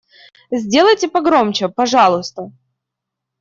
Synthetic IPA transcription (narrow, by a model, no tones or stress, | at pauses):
zʲdʲe̞lˠəjtʲɪpɐɡɾomt͡ɕɪpɐʐɑlˠʊst̪ə